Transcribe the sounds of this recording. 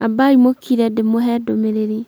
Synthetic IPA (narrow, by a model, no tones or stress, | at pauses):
abaimokʰiɾɛdemoɦɛdomeɾeɾi